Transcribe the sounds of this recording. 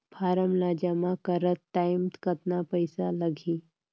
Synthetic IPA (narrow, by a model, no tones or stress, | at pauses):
pʰaːɾəmlaːd͡ʒamãkəɾət̪ːajmt̪kət̪napəjsaləɡʱiː